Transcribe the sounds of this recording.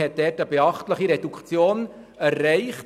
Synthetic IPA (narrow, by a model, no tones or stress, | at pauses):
ɛt̚d̥ɛtəbeɑχtləχiɾɛdukʰt͡sjoːn | æɾːɛɪχt